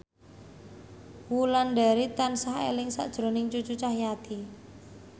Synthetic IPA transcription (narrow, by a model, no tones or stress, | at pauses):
wulanɖaɾit̪ansahḛlɪŋsa̰ʔd̥ʒ̥ɾo̤nɪŋt͡ʃut͡ʃut͡ʃahjat̪i